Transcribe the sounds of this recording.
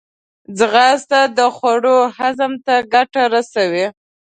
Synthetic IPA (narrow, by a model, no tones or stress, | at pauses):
d͡zɣɑst̪ad̪əxwaɽohazamt̪aɡaʈaɾasawi